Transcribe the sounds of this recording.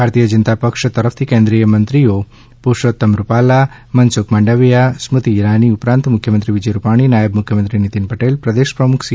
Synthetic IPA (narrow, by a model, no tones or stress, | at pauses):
bʱaɾt̪ijəd͡ʒənt̪apəkʂt̪ɐɾəfʰt̪ʰikẽnd̪ɾijəmənt̪ɾijo | puʃot̪ːɐmɾupala | mɐnsukmaːɳɖəʋijasmut̪iːɾaniupɾãnt̪mukʰjəmənt̪ɾiʋid͡ʒɐjɾupaɽ̃inajəbmukʰjəmənt̪ɾinit̪inpəʈelpɾɐd̪eʃpɾɐmukʰs